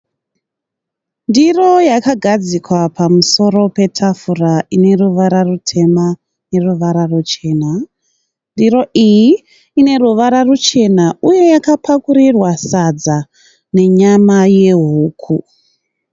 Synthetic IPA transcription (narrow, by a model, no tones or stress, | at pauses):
ndiro̞jakaɡʱad͡zikwapʰamuso̞ɾo̞pe̞tʰafuraʔine̞ruʋaɾarutʰe̞ma | ne̞ruʋaɾarut͡ʃe̞ːna | ndiro̞ʔijiː | ne̞ruʋaɾarut͡ʃe̞nauje̞jakapʰakuɾirwasad͡za | ne̞ɲamaje̞ɦuːkʰu